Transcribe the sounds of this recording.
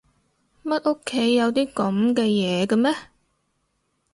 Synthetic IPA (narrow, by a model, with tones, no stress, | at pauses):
mɐ˥t̚ʔo˥kʰːe˨˥jːɐ˨˧wt̪iː˥kɐ˨˥mkɛː˧jɛː˨˧kɐ˧mɛː˥